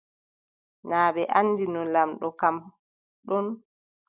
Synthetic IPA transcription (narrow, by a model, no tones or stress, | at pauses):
naːbɛʔanːd͡ʒinɔnlamɗɔkam | ɗɔn